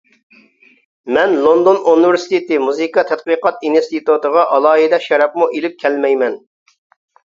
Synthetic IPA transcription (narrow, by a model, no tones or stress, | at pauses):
mɛnlˠond̪onunɨvɪɾsɪ̥t̪et̪ɪmuzɨkɑt̪ʰɛt̪̚qiqɑt̪inst̪it̪ut̪əʁɑʔɑlˠɑːɦid̪ɛʃɛɾɑpmuʔelɪp̚kʲʰɛlmɛjmɛn